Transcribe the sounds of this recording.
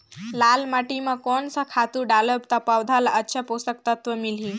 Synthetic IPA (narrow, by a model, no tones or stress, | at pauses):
lalmaʈimakɔɳsəkʰat̪uɖaləbt̪apawd̪ʱalaʔətːɕʰapost̪ək̚t̪ət̪ʋəmilɦĩ